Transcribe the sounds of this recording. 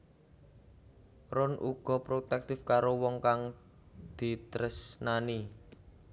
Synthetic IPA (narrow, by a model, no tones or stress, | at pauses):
ɾʊnʔuɡ̥ɔ̤pɾot̪ɛk̚t̪ɪfkaɾowɔŋkaŋ | d̪̥i̤t̪əɾəsnani